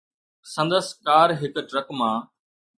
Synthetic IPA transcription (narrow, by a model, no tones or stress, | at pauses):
sɐ̃nd̪əskaːɾɦɪkʈɾəkmãː